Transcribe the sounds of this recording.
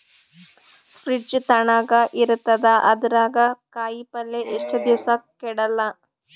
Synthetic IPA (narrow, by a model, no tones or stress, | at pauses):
pɾid͡ʒt̪ɐɳaːɡɐʔiɾut̪ːɐd̪ɐʔɐd̪ɐɾaːɡɐkaːjipɐlːeʔeʂʈɐd̪iʋɐsɐkɛɽɐlːɐ